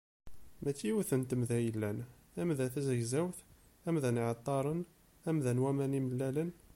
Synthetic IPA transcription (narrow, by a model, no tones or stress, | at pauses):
mæt͡sːiuθənt̪əmðæjəlːæn | æmðæθæzəʝzæwθ | æmðænʕɑt̪ˤːɑɾˤən | æmðænwæmæniməlːælən